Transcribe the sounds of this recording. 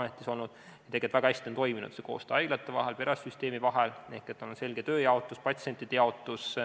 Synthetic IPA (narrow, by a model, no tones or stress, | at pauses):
met̪ːˑiso̞lnud̪̥ | ɑt̪eɡet̪væɡ̥ɑæsʲt̪iont̪o̞jminṵd̪̥seko̞ːst̪eɑjɡ̥lɑt̪ːˑe̞vɑ̰ɦelpe̞ɾɑsʲsyst̪e̞ːmivɑɦelnehkːˑet̪ːˑononse̞lɡ̥e̞t̪ø̞ːjɑo̞t̪ːˑuspɑt̪ʲse̞nʲt̪ːˑid̪̥ejɑo̞t̪ːˑus